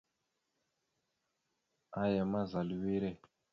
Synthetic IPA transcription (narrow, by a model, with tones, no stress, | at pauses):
a˦jɛ˨ma˦za˨lwe˦ɾɛ˦˨